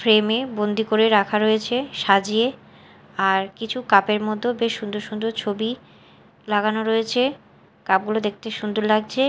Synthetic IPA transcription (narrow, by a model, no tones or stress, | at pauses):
fɾemebond̪ikoɾeɾakʰaɾojet͡ɕʰeʃad͡ʑie | aɾkit͡ɕʰukapeɾmod̪ʱːobeʃʃund̪oɾʃund̪oɾt͡ɕʰobi | laɡanoɾojet͡ɕʰe | kap̚ɡulod̪ek̚ʰt̪eʃund̪oɾlaɡ̚t͡ɕʰe